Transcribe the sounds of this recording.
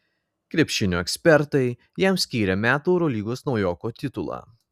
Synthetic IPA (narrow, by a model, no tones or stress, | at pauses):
kɾʲɛpʲʃʲɪnʲuɛkʲsʲpʲɛɾt̪ɐɪ | jɛmsʲkʲiːɾʲɛmʲæːt̪uːɛʊɾɔlʲiːɡoːsnɒʊjɔːkoːt̪ʲɪt̪ʊlˠɑ̰ː